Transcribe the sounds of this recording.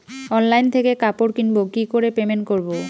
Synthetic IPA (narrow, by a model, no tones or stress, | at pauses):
ɔnlajnt̪ʰekekapoɾkinbokikoɾepemenkoɾbo